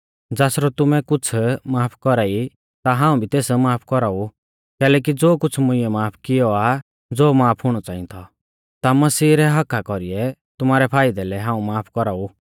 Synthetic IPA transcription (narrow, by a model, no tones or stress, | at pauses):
d͡zaːsɾɔt̪ʊmɛkʊt͡sʰmaːpʰkɔɾai | t̪aɦãːũbʱit̪eːsmaːpʰkɔɾau | kɛːlɛːk̬id͡zoːkʊt͡sʰmʊɪɛmaːpʰkɪjɔa | d͡zoːmaːpʰɦʊɽ̃ɔt͡saːĩt̪ʰɔ | t̪amɐsiːɾɛɦɐkʰakɔɾiɛt̪ʊmaːɾɛpʰaːɪd̪ɛlɛɦãːũmaːpʰkɔɾaːu